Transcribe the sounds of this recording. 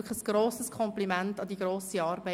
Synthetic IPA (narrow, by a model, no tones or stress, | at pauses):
kχəsɡ̥ɾoːsəskʰɔmplimæntɑd̪iɡɾoːsiɑːɾbɛ